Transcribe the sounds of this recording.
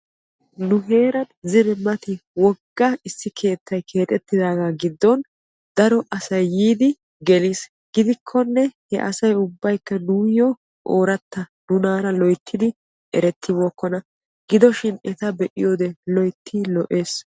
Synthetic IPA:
nʊɦe̞ːɾɐnzɪɾɛmɐt̪ɪwɔɡːɐɪsːɪkʰe̞ːt̪ʰːɐjkʰe̞ːt̪ʼɛt̪ːɪd̪aːɡaːɡɪd̪ːɔn | d̪ɐɾɔʔɐsɐjːiːd̪ɪ | ɡɛliːs | ɡɪd̪ɪkʰːɔnːɛhɛ̰ʔɐsɐjʊbːɐjkːɐnuːjɔ | ʔoːɾɐt̪ːɐnʊnaːɾɐlɔjt̪ʰːɪd̪ɪ | ʔɛɾɛt̪ʰːɪboːkːɔnɐ | ɡ̥ɪd̪ɔʃɪnɛt̪ɐbɛʔɪ̰joːd̪ɛlɔjt̪ʰːiːlɔʔe̞ːs

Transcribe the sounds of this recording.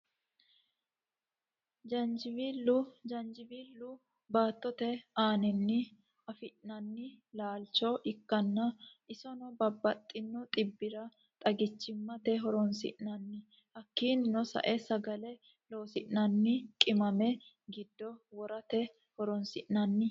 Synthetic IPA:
d͡ʒɐnd͡ʒɪbilʊd͡ʒɐnd͡ʒɪbiːlːʊ | baːt̪ːɔt̪ɛaːnɛnːɪ | ɐfɪʔnɐnːɪlaːlt͡ʃɔʔɪkːɐnːɐʔɪsɔnɔbɐbːɐt̪ʼːɪnːɔt̪ʼɪbːɪɾɐ | t̪ʼɐɡɪt͡ʃːɪmːɐt̪ɛɦɔɾɔnsɪ̰ʔnɐnːɪ | hɐkːiːnnɔsɐ̰ʔɛsɐɡɐlɛ | lo̞ːsɪʔnɐnːɪkʼɪmɐmɛ | ɡɪd̪ːɔwɔɾɐt̪ɛ | hɔɾɔnsɪʔnɐnːɪ

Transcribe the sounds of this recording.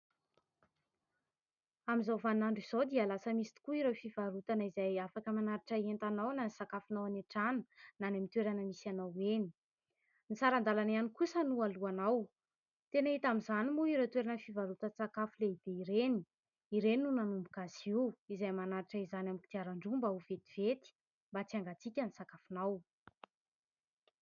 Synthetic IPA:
amizawvanaɳɖ͡ʐiz̥od̪ialasəmisi̥t̪u̥kuiɾefivaɾut̪anəizajafakəmanaɾiʈ͡ʂəient̪anawnanisakafunawaneʈ͡ʂanə̥nanamint̪weɾanəmisanaweni̥ | nit͡saɾand̪alanianikusənualuanaw | t̪enait̪amizanimuiɾewt̪weɾanəfivalut̪ət͡sakafuleid̪̥eiɾeni̥ | iɾeninunanumbukasiizajmanaɾiʈ͡ʂəizanamiki̥t̪iaɾaɳɖ͡ʐumbauvet̪iv̥et̪i̥ | mbat͡siaŋɡat͡sikʲənisakafunaw

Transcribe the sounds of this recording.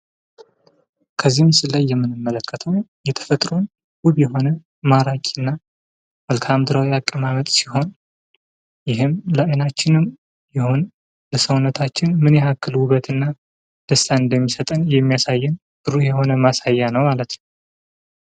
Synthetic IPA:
kʰəzːihmsɨlːajːɛmːɨnɨmːələkːət̪ʰəwjɛt̪ʰə̥fət̪ʼɾun | ɡuβjɛɦo̞nə | maɾakʼiɨnːa | məlkʰamd̪ɨɾawiakʼːəmamət̪ʼsiho̞n | jɪɦɨmləjnat͡ʃːɪnɨm | jɛhon | ləsəwnːət̪ʰat͡ʃːɪnmɨnjɛakːɨlwβət̪ɨnːa | d̪̥əst̪ʰaɨnd̪əmːisət̪ʼənjɛmːijasajːɪn | b̥ɨɾujɛho̞nəmasajːanəwmalət̪nəw

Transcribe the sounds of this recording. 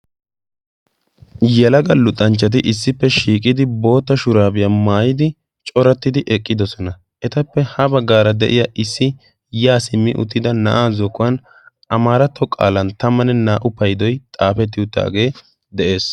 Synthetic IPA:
jɛlɐɡɐlʊt̪ʼːɐnt͡ʃːɐt̪̬ɪʔɪsːɪpːɛʃiːkʼɪd̪ɪbo̞ːt̪ːɐʃʊɾaːbɪjamaːjɪd̪ɪ | t͡ʃʼɔɾɛt̪ːɪd̪ɪʔɛkʼːɪd̪ɔsɔnɐ | ʔɛt̪ɐpːɛhɐbɐɡaːɾɐd̪ɛ̰ʔɪjaʔɪsːɪ | jaːsɪmːɪ̰ʔʊ̰t̪ːɪd̪ɐnɐ̰ʔaːzɔkːʊwɐn | ɐmaːɾɐt̪ːɔkʼa̰ːlɐnt̪ɐmːɐnɛnaːʔʊpːɐjd̪ɔjt̪ʼaːfɛt̪̬ːɪʊt̪ːa̰ːɡe̞ː | d̪ɛʔe̞ːs

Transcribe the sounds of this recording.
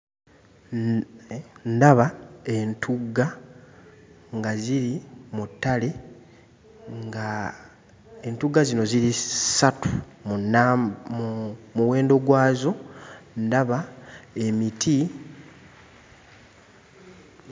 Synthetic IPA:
ndaβae̞ntʰuɡːa | ŋɡaziɾimutːale̞ | ŋɡa | entuɡazino̞ziɾisatun | muwe̞ːndo̞ɡwaːzo̞ndaβae̞mitʰi

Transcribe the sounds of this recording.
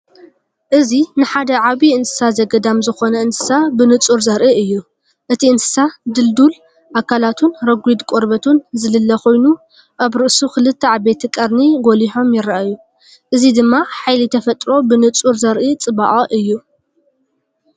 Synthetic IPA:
ʔɨzinɨħad̪ɐʕaβiɨnsɨ̥sazɐɡɐd̪amzɨxo̞nɐɨnsɨ̥sabɨnɨt͡sʼuɾzɐɾʔiɨjːu | ʔɨt̪ʰiɨnsɨ̥sad̪ɨld̪ul | ʔakʰalat̪ʰunɾɐɡʷid̪kʷʼoɾbɐt̪ʰunzɨlɨlːɐxo̞jnu | ʔaβɾɨʔsuxɨlɨt̪ʰːɐʕabe̞t̪ʰkʼɐɾniɡoliħo̞mjɪɾːaʔaju | ʔɨzid̪ɨmːaħajlit̪ʰɐfɐt̪ʼɾo̞bɨnɨt͡sʼuɾzɐɾʔit͡sʼɨβa̰ʔʼɐʔɨjːu

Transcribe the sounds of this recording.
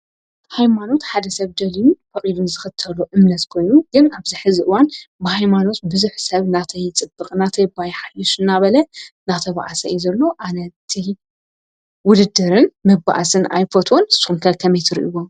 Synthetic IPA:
hajmano̞t̪ħad̪ɐsɐβd̪ɐlijufɐkʼid̪unzɨxɨt̪ʰɐloʔɨmnɐt̪kʰo̞jnuɡɨnaβziħɨziʔɨwanbɨhajmano̞t̪̚bɨzuħsɐβnat̪ʰɐjt͡sʼɨbːɨkʼnat̪ʰɐjbajħajuʃɨnːaβɐlɐnat̪ʰɐβa̰ʔasɐ̰juzɐlːo̞ʔanɐt̪ʰi | wʊd̪ɨd̪ːɨɾɨnmɐba̰ʔasɨna̰jfɐt̪ʰonɨsu̥xunkʰɐlkʰɐmɐjt̪ʰɨɾḭʔiwo

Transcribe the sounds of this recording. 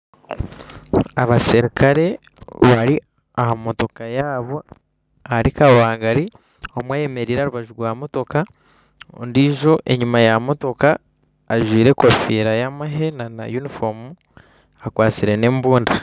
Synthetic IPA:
aβasiɾikʰaɾe̞ | βaɾi | ahamo̞to̞kajaːβo̞ | aɾikawaːŋɡaɾi | omwaːje̞me̞ɾiːɾeaɾuβaʒuɾwaːmo̞to̞ka̰ | ndiʒo̞ʔe̞̰ɲumajamo̞to̞kaː | ʒwiːɾe̞kofiːɾajamaɦe̞nana̰junifomu | akwaːt͡siɾe̞ne̞ːmbuːnda

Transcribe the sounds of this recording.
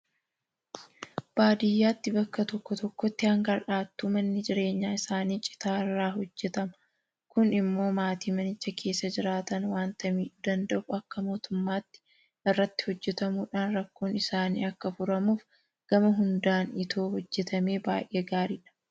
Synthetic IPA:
b̥aːd̪ɪjːaːt̪ːɪbɐkːɐt̪ɔkːɔt̪ɔkːɔt̪ːɪhɐŋɡɐɾᶑaːt̪ːuːmɐnːɪd͡ʒɪɾe̞ːɲːaːɪsaːniːt͡ʃʼɪ̥t̪aːɪrːaːɦɔd͡ʒːɛt̪ɐmɐ | kʊnɪmːo̞ːmaːt̪iːmɐnɪt͡ʃːɐkʰe̞ːsːɐd͡ʒɪɾaːt̪ɐnwaːnt̪ɐmiːᶑʊd̪ɐnd̪ɐʔuɐkːɐmo̞ːt̪ʊmːaːt̪ːɪ̥ | ʔɪrːɐt̪ːɪ̥hɔd͡ʒːɛt̪ɐmuːᶑaːnɾɐkːoːnɪsaːnḭːɐkːɐfʊɾɐmuːf | ɡ̥ɐmɐɦʊnd̪aːnɪt̪ʰo̞ːhɔd͡ʒːɛt̪ɐme̞ːbaːjʔe̞ːɡaːɾiːᶑɐ̥

